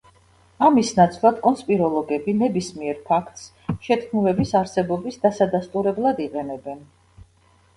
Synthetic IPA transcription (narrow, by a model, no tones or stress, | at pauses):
amisnat̪sʼlˠad̪kʼɔnspʼiɾɔlˠɔɡɛbinɛbismiɛɾpʰakʰt̪ʼs | ʃɛt̪ʰkʰmulɛbisaɾsɛbɔbisd̪asad̪ast̪ʼuɾɛblˠad̪iqʼɛnɛbɛn